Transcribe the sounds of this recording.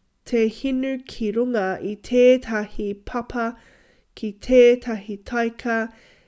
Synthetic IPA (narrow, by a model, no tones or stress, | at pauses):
tʰehinʉkʰiɾuŋɐitʰeːtʰɐhipʰɐpʰɐ | kʰitʰeːtʰɐɦitʰɐjkʰɐ